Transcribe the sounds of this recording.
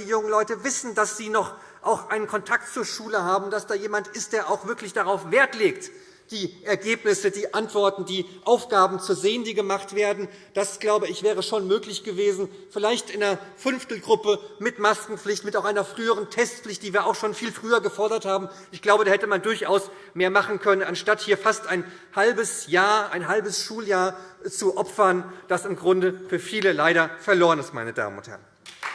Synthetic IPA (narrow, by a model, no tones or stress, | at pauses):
iːjʊŋənlɔʏtəvɪsn̩dasz̥iːnɔχ | ʔaʊxʔaɪnənkʰɔntʰak̚tt͡suːɐʃuːləɦaːbm̩d̥asd̥aːjeːmantɪst̚d̥eːɐʔaʊxv̥ɪɐklɪçd̥aʁaʊfv̥eːɐtleːkt | d̥iːʔɛɐɡeːpnɪsədiːʔantv̥ɔɐtn̩diːʔaʊfɡ̥aːbm̩t͡suːɐzeːəndiːɡəmaχtv̥eːɐdn̩ | d̥asɡ̥laʊbəɪçv̥ɛːʁ̞əʃoːnmøːklɪçɡ̥əveːzn̩ | fɪlaɪçtʔɪnɐɐfʏnftl̩ɡʁʊpəmɪtmaskŋ̩pflɪçtmɪtaʊxʔaɪnɐfʁ̥yːəʁ̞əntʰɛstflɪçt̚d̥iːviːɐʔaʊxʃoːnfiːlfʁ̥yːɐɡəfɔɐɾɐthaːbm̩ʔɪçɡ̥laʊbədaːhɛtəmandʊɐçʔaʊs | meːɐmaχn̩kʰœnənanʃtathiːɐfastaɪn | halbəsjaːɐaɪnɦalbəsʃuːljaːɐt͡suʔɔpfɐnd̥asɪmɡʁʊndəfyːɐfiːləlaɪɾɐfɛɐloːʁənɪstma̰ɪnəda̰ːmə̰nʊnt̚hɛ̰ɐn